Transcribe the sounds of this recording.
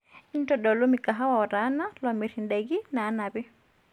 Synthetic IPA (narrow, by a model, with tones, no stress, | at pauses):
n̩˦tɔɗɔ˨lɔmikaɦa˦waɔ˨ɾa˦na˦lɔmi˨ɾindɛɣinaː˦na˨βi˦